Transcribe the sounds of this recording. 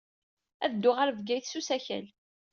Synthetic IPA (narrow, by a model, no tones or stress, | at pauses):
æ̰ðd̪ːʊʁaɾvɡæjθsusæçæ̰l